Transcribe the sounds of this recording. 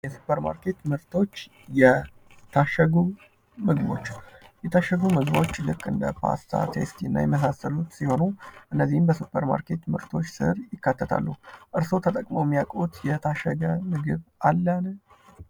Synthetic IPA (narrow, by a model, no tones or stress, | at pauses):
jɛsu̥pʰəɾma̰ɾkʰe̞t̪mɨɾt̪ʰo̞t͡ʃː | jɛ | t̪ʰaʃəɡu | mɨɡbo̞̰t͡ʃːjɛt̪ʰaʃːəɡumɨɡβo̞t͡ʃːlɨkʼːɨnd̪ə̰pʰa̰st̪ʰa̰t̪ʰe̞̰st̪ʰinːa̰jɛməs̬asəlut̪siho̞nuʔɨnːəzːihmbəsupʰːəɾma̰ɾke̞t̪mɨ̰ɾt̪ʰo̞t͡ʃːsɨɾjɪkːat̪ʰːət̪ʰa̰lːuhʔɨɾsowt̪ʰət̪ʼəkʼmowmːijakʼut̪jɛt̪ʰaʃəɡəmɨɡɨβalːanə